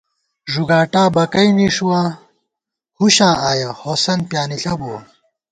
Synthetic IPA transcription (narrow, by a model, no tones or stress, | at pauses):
ʐuɡaːʈaːbɐkɐimiʂuwa | huɕãːaːjɐhoːsɐnpjaːniɬɐbuwɐ